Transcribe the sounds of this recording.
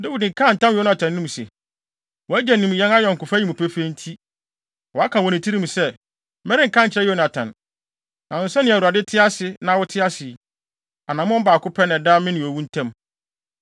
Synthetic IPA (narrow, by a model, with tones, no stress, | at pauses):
dɛ˦i˨dŋ̩˨kʰã˦n̩˨tã˦m˦jnʊ̃˨tʰã˨nː˦ĩ˦mũ˨sɛ̰˨ | wɔ˨æ˦d͡ʑɛ˨nːĩ˨m˨jɛ̃˦na˦jɔ̃˨ŋ̩˨kʊ˨fa˦i˨ũ˨pʰɛ˦fe˦n̩˦tʰi˦ | wɔ˨a˦kʰã˨wɔ˨nɪ̃˨tʰi˦ɾĩ˦mũ˨sɛ˦ | mɛ˦ɾɪ˦ŋ̩˨kã˦˨t͡ɕʰɾɛ˦jɛ˦nʊ̃˨a˨tʰã̰˨n | nã˨ʊ̃˨n˦sɛ˦nːɪ̃˦˨u˨ɾa˨dɪ˦tʰɪ˦a˦sɪ˨nã˦wʊ˦tʰɪ˦a˦sɪ˨ | a˨nã˨mʊ̃˦ɔ˦baː˨kʊ˦pʰɛ˦nɪ̃˨daː˦mɪ̃˦nɪ̃˨ɔ˨wũ˦n̩˦tʰɛ̃˦m